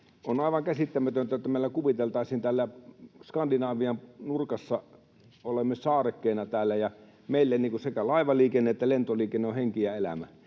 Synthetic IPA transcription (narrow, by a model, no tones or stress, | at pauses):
onɑˑiʋɑŋkæsit̪ːæmæt̪ønt̪æjot̪ːæmeˑilːækuʋit̪elt̪ɑˑisint̪ælːæskɑndinɑːʋiɑmnurkɑsːɑ | olemːesɑːrekːeˑːnɑt̪æːlːæjɑ | meˑilːenːiːŋkusekælɑˑiʋɑliːkenːeet̪ːælent̪oliːkenːeoheŋkiæelæ̰mæ̰